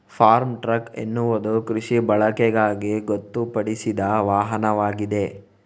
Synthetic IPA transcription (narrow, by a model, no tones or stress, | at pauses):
pʰaːɾmʈɾɐkḛnːuʋɐd̪ukɾiʂibɐɭɐkɛɡaːɡiɡot̪ːupɐɽisid̪ɐʋaːɦɐnɐʋaːɡid̪e̞